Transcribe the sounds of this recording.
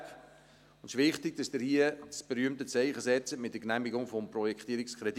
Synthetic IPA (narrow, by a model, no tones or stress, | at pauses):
ʊnd̥ɪʃʋɪχtɪɡ̚d̥ɑsd̥əɾhiət͡sb̥ɛɾyəmtət͡sɛɪχəsɛt͡sətmɪt̚d̥əknæmiɡʊŋfɔmprɔjɛkt̪iːəɾɪkskχɾɛd